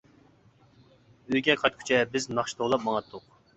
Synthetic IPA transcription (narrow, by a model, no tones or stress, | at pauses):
øjɡʲɛqʰɑt̪̚kʲʰy̥t͡ʃʰɛbɪznɑχʃi̥t̪ʰoʁlˠɑp̚mɑŋɑt̪ʰːʊq